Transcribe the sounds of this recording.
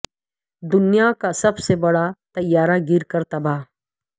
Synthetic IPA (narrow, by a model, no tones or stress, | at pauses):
d̪ʊnijakasɐbsebɐɽat̪ɐjaːɾaɡɪɾkəɾt̪ɐbaː